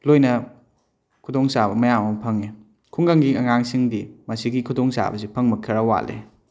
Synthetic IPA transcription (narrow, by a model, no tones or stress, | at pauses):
lojnɐ | kʰudoŋsabɐmɐjamɐmpʰɐŋe | kʰuŋɡaŋɡiɐŋaŋsiŋdimɐsiɡikʰudoŋsa̰bɐsipʰɐŋmɐkʰiɾawa̰lḛ